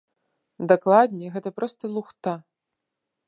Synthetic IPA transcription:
d̪aklˠad̪ʲnʲɛɣɛt̪ɐpɾɔst̪ɐlˠuxt̪a

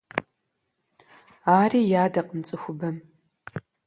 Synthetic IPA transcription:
aːriːjaːdɐqəmt͡sʼɨxʷʊbɐm

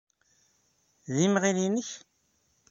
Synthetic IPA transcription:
ðimʁilinəç

